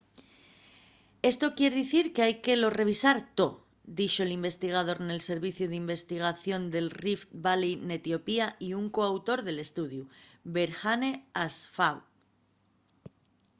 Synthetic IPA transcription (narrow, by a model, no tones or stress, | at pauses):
e̞st̪o̞kje̞ɾðiθiɾkeajke̞lo̞re̞β̞isaɾt̪o̞ | d̪iʃo̞elimbe̞st̪iɣ̞aðo̞ɾne̞lse̞ɾβiθjuðimbe̞st̪iɣ̞aθjo̞nd̪e̞lrift̪baline̞t̪jo̞piaiuŋko̞awt̪o̞ɾðe̞le̞st̪uðjube̞ɾxane̞asfaw